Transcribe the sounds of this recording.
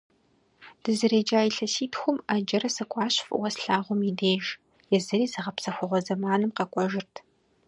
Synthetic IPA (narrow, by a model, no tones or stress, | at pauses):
d̥ɨzɨɾeːd͡ʒaːjɪɬɐsiːtʰxʷʊmaːd͡ʒɐɾɐsɐkʷʼɑːɕfwɐsɬaːʁʷʊmideːʒ | jɛzɨɾiːzɨʁɐpsɐxʷʊʁʷɔzɐmaːnɨmqɐkʷʼɔʒɪrtʰ